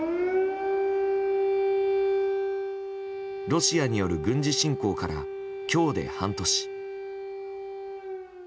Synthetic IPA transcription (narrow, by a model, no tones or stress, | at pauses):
ɾo̞ɕijaɲ̟ijo̞ɾɯ̟ɡɯ̟̃ɲ̟d͡ʑiɕĩŋko̞ːkaɾa̰ | kʲo̞ːd̪e̞̰hãnt̪o̞ɕi̥